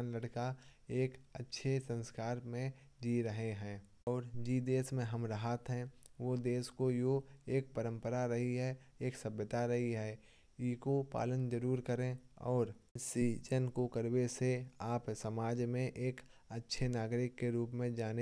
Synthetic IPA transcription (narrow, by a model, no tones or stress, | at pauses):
nləɽkaeːkətːʃʰesə̃nskaːɾmẽ | d͡ʒiːɾəɦeɦɛ̃ː | ɔːɾd͡ʒiːd̪eːsmẽɦəmɾəɦat̪ɦɛ̃ʋod̪eːskojoeːk̚pəɾə̃mpəɾaɾəɦiɦɛeːksəbjət̪aɾɐɦiɦɛː | iːkopa̰ːlənd͡ʒəɾuːɾkəɾẽɔːɾsiːd͡ʒənkokəɾweseaːpsəmaːd͡ʒmẽʔeːkətːʃʰenaːɡɾɪkːeɾuːpmẽd͡ʒaːne